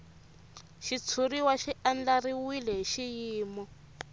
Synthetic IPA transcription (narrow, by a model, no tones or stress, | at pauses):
ʃit͡sʰuɾiwaʃiʔand͡ɮariwilɛɦiʃijiːmɔ